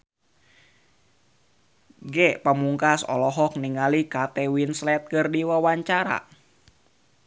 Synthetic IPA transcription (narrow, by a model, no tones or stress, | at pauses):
ɡɛpamuŋkasɔ̰lɔɦɔk̚niŋalikat̪ɛwinslɛt̪̚kɨrdiwawaɲt͡ʃaɾa̰